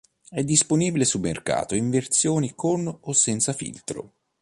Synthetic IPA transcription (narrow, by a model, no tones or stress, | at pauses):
ɛd̪ːisponiːbilesulmḛrka̰ːt̪oiɱvert̪sjoːnikʰonosːɛnt̪safḭlt̪ɾo̰